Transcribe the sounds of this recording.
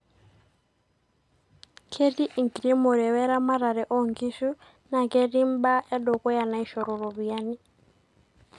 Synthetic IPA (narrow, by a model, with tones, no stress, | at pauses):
kʰe˦di˦ʔi˨ŋɡɾi˦mɔ˨ɾɛ˨wɛ˦ɾa˦ma˦ɾa˨ɾɛ˨ʔɔ˦ŋɡi˦ʃu˦ | na˨kɛ˦ɾi˦mba˦ʔɛ˦ɗɔ˨kɔ˦ja˨na˨i˨ʃɔ˨ɾɔ˨ɾɔ˨βi˨ja˦ni˦